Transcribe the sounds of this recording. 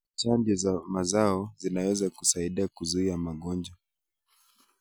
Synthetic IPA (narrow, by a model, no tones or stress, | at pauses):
t͡ʃandɔzamazaɔzinawɛzakusaiɗiakuzuiamaɠɔnd͡ʒa